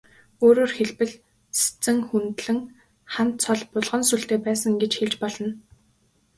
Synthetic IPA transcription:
oːɾoːrxeɮpɘ̆ɮ | se̥t͡sɘ̆ŋxunt̪ɮɘ̆ŋ | χant̪t͡sʰɔɮpʊɮʁɞ̆nsuɬt̪eːpæːsə̆ŋɡet͡ɕxeɮt͡ɕpɔɮɞ̆n

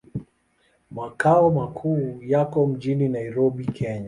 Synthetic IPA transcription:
makaɔmakʰuːjakɔm̩ʄininaiɾɔɓikʰɛɲa

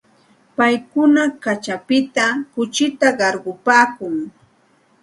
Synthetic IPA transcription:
pajkʊnakat͡ʃapɪt̪akʊt͡ʃɪt̪aɢɑɾɢʊpaːkʊŋ

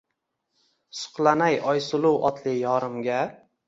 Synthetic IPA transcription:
sʊ̥qlˠanajɒjsʊlˠʊwɒt̪ʰlɪjɒɾɪmɡʲa

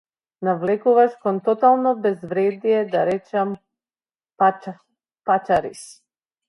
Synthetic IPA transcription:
navlɛkuvaʃkɔnt̪ɔt̪alˠnɔbɛzvɾɛd̪ijɛd̪aɾɛt͡ʃam | pa | pat͡ʃaɾḭs

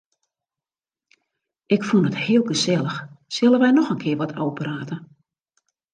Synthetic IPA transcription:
ɪkfunəthɪəlˠɡəsɛlˠəxsɪlˠəʋɛjnɔxənkʰɪəʋɔtʰɔwpraːtə

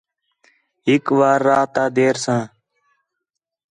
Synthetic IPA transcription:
ɪkʋaːɾːaːt̪aːd̪eːɾsãː

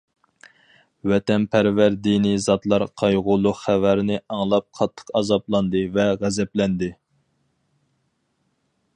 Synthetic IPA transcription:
wɛt̪ɛnpʰæɾvæɾd̪inizɑt̪lˠɑɾqʰɑjʁʊlˠːʊqχævæɾɪnɪɑŋlˠɑp̚qʰɑt̪ʰːə̥qɑzɑplˠɑnd̪ɨvɛʁæzɛplɛnd̪ɪ

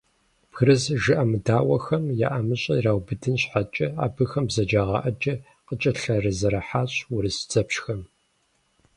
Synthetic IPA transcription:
b̥xɾɨzʒɨʔɐmɨdaːwɐxɐmja̰ʔɐmɨɕʼɐiraːwbɨdʰɨnɕħat͡ʃʼɐa̰ːbɨxɐmbzɐd͡ʒaːʁɐ̰ʔɐt͡ʃʼɐ | qət͡ʃʼɐɬɐrɨzɐɾɐħaːɕwʊɾɨsd͡zʼɐpɕxɐm

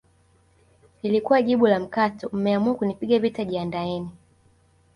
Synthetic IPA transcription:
nilikuwaʄiɓulam̩katɔm̩mɛamuakunipiɠavitaʄiandaɛni

